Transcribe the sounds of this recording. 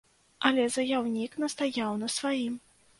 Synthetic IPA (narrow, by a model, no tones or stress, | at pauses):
ɐlʲɛzɐjawnʲiknɐst̪ajawnɐsvajim